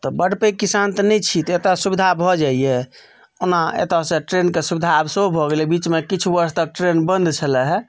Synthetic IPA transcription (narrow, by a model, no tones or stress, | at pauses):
t̪ɔbəɽpekisant̪ɔnɛjt͡ʃʰit̪et̪asubid̪ʱabʱɔd͡ʒaiɛ | onaḛt̪asẽʈɾenkesubid̪ʱabsoobʱɔɡelɛbit͡ʃmekit͡ʃʰubəɾst̪ək̚ʈɾenbə̃nd̪t͡ʃʰəlɛɦɛ